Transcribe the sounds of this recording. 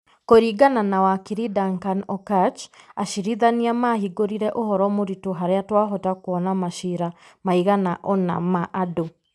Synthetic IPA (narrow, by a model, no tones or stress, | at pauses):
koɾiɡananawakiɾidaŋkanɔkat͡ʃaʃiɾiðaniamaɦiɡoɾiɾɛʔohɔɾɔmoɾitoɦaɾeatwaɦɔtakoɔnamaʃiɾamaiɣanaʔɔna̰maʔado